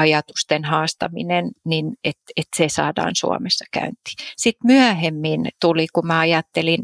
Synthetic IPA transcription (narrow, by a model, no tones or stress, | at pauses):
ɑjɑt̪u̥st̪enhɑːst̪ɑ̰mḭnenninet̪et̪sesɑ̰ːdɑ̰ːnsṵɑ̰mesːɑkæ̰ynt̪i̥sit̪myæhemːint̪ulikumæɑjɑt̪ːelin